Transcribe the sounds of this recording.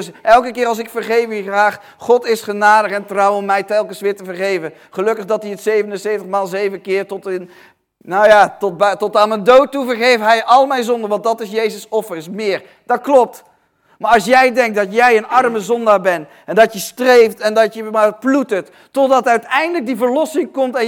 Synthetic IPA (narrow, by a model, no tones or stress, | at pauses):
dsʔɛlˠkəkɪːɾɑlˠs̬ɪkfəɹχejfχraːχ | χɔtɪsχənaːdəχɛntrɑwɔmːɛjtɛlˠkənsʋɪːɹtəvəɹχejvə | χəlɵkəχdɑtiətsejvənənsejftəχmaːlˠzejvənkɪːɹtɔtən | nojaːtɔt̚btɔtaːnəndowtːuvəɹχejfɦɛjʔɑlˠmɛjnzɔndəʋɑnddɑtɪsjejzəsɔfənsmɪːɹ | d̥ɑt̚klɔp̚t | maːɹɑlˠsjɛjdɛŋk̚dɑtjɛjənɑrməzɔndaːɹbɛn | ɛndɑtjəstrejftɛndɑtjəmaplutətː | ɔdɑtœɥtɛjndələk̚divəɹlɔsɪŋkɔmtɛ